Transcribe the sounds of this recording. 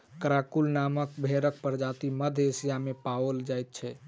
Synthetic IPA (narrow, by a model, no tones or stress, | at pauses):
kɾakulnaməkbʱeɾək̚pəɾd͡ʒat̪iməd̪ʱesijamepawəld͡ʒajt̪̚t͡ʃʰɛ